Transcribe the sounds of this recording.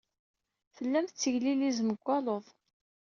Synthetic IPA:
θəlːæmθt͡sːəʝlilizməɡʷːɑlˤoðˤ

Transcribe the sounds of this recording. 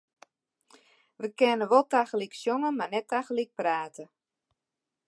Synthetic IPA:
ʋəkɛnəʋɔlˠtaxəliksjoŋəmarnɛtaxəlik̚praːtə

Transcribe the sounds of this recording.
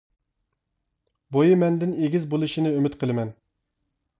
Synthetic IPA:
bojimɛnd̪ɪneɡʲizbolˠɨʃinɨømɪt̪qʰəlˠɨmɛn

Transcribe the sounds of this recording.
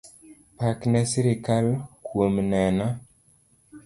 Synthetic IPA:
paknɛsiɾikalkwomnɛna

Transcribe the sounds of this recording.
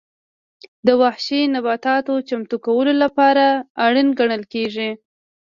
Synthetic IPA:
d̪əwahʃenabɑt̪ɑt̪ot͡ʃamt̪ukawəlolapɑɾaːɽənɡaɳəlkeʐi

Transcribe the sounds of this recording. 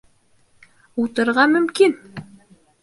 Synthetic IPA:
ut̪ɤ̆ɾʁɑmɵ̆mkin

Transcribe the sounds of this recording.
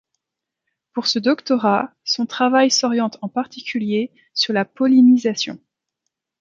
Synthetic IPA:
puʁsəd̪ɔkt̪ɔʁasɔ̃t̪χavajsɔʁjɑ̃t̪ɑ̃paʁt̪ikʲylje | syʁlapɔlinizasjɔ̰̃

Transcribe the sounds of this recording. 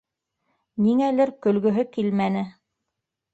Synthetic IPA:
niŋælɘɾkɵ̆lɡɵ̆ɦɵkilmænɘ

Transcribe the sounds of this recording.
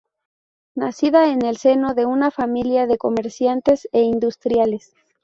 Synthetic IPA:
nasiðaene̞lse̞no̞ðe̞unafamiljaðe̞ko̞me̞ɾsjant̪e̞seind̪ust̪ɾjales

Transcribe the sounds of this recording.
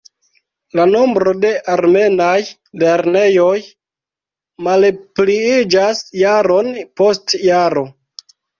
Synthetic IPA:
lano̞mbɾo̞de̞ʔaɾme̞naj | le̞ɾne̞jo̞j | malpliid͡ʒasjaɾo̞npo̞stjaɾo̞

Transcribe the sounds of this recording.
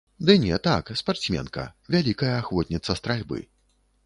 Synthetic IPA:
d̪ɨnʲɛt̪akspart̪sʲmʲɛ̰nkɐ̰vʲalʲikɐjɐːxvɔt̪ʲnʲit̪sːɐst̪ɾalʲbɨ̰

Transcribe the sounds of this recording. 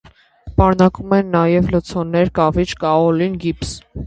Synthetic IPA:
pɑɾnɑkumɛnːɑjɛvlət͡sʰɔnːɛɾkɑvit͡ʃkɑɔlinɡips

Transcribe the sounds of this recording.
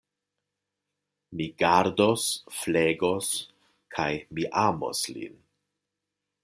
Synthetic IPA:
miɡaɾdosfleɡos | kʰajmiʔamo̰slḭn

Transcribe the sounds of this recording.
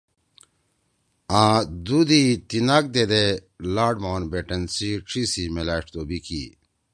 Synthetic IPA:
ãːd̪ud̪it̪inak̚d̪ed̪e | laːɖmaːnbeʈɐnsiʈ͡ʂʰisimelaːʈt̪oːbikḭ

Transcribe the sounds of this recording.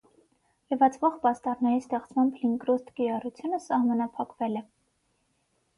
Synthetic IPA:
ləvɑt͡svɔʁpɑst̪ɑɾnɑjist̪ɛχt͡smɑmbʰliŋkɾɔst̪kijɑrut͡sʰjunəsɑhmɑnɑpʰɑkvɛlɛ

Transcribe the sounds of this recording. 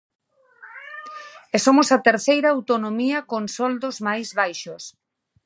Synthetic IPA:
esomosat̪eɾθejɾɐːwt̪onomiɐkonsɔld̪ozmajzβajʃos

